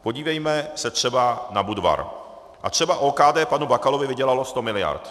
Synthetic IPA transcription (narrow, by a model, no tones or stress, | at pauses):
po̞ɟiːvɛjmɛsɛt̪r̥ɛbanabudva̰ɾ | ʔat̪r̝̥ɛbaʔoːkaːdɛːpanubakalovɪvɪɟɛlalo̞st̪o̞mɪlɪja̰ɾt̪